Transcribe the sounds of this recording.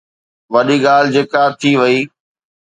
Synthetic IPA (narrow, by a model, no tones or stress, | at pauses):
ʋɐɗiɠaːl̤ɪd͡ʑeːkat̪ʰiʋɐiː